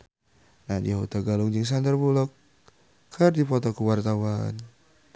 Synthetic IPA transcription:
nahdḭaɦut̪aɡalʊŋd͡ʒɪŋs̬and̪ərbulɔkːʰ | ərdipɔt̪ɔkuwart̪awa̰n

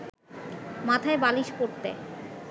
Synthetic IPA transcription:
mat̪ʰaebaliʃkoɾt̪ḛ

